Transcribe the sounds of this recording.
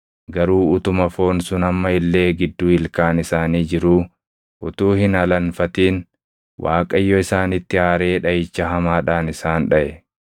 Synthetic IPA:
ɡɐɾuːʊt̪ʊmɐfo̞ːnsʊnɐmːɐɪlːe̞ːɡɪd̪ːuːɪlkaːnɪsaːniːd͡ʒɪɾuː | ʔʊt̪uːhɪnɐlɐnfɐt̪iːn | wʔaːkʼɐjːɔɪsaːnɪt̪ːɪaːɾe̞ːᶑɐjɪt͡ʃːɐɦɐmaːᶑaːnɪsaːnᶑɐʔɛ

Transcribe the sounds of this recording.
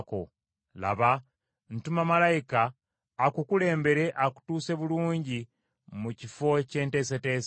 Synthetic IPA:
ko̰ | la̰βa | n̩tumamalajikaː | kukule̞ːmbe̞ɾe̞ʔaku̥tuːse̞βuluːɲɟi | mucifo̞ce̞ːnte̞ːs̬ete̞ːs

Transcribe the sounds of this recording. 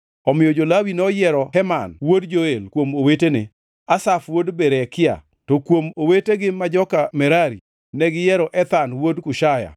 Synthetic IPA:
ɔmɪjɔd͡ʒolawinɔjɛɾɔhɛmanwodd͡ʒoelkwomowetenɪ | asafwodbeɾɛkɪa̰ | tokwomoweteɡɪmad͡ʒɔkamɛɾaɾi | nɛɡɪjɛɾɔʔɛt̪anwodkʊʃaja̰

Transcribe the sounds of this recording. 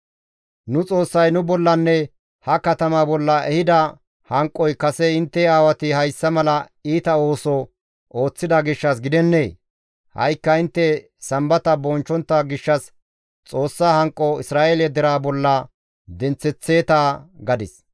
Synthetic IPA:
nʊt͡sʼo̞ːsːɐjnʊbɔlːɐnːɛ | hɐkɐt̪ɐmabɔlːɐʔɛhɪd̪ɐ | hɐŋkʼːɔjkɐsɛɪnt̪ːɛaːwɐt̪ɪhɐjsːɐmɐlɐ | iːt̪ɐo̞ːsɔ | o̞ːt͡sːɪd̪ɐɡɪʃːɐs̬ɡɪd̪ɛnːeː | hɐ̰jkːɐɪnt̪ːɛ | sɐmbɐt̪ɐbɔnt͡ʃːɔnt̪ːɐɡɪʃːɐs | t͡sʼo̞ːsːaːhɐŋkʼːɔɪsɾaːeːlɛd̪ɛɾaːbɔlːɐ | d̪ɛnt͡sːɛt͡sːe̞ːt̪aːɡɐd̪ɪs

